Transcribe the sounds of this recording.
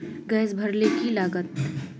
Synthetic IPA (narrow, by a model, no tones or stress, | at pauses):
ɡɛːs̬bʱəɾlekilaːɡət̪